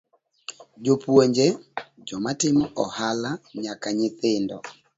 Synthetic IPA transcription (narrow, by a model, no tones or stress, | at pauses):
d͡ʒopwoɲd͡ʒed͡ʒɔmatɪmɔʔɔhalaɲakaɲɪt̪ɪndɔ̰